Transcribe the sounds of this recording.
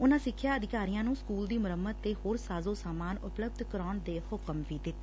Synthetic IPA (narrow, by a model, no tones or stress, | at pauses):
ʊnãːsɪkʰːjaːəd̪ɪkaːɾijãːnũːskuːld̪iːmʊɾəmːət̪ːeːhoːɾsaːzoːsaːmaːnʊpləb̚d̪ʱkəɾaːɳd̪eːhʊkəmʋiːd̪ɪt̪ː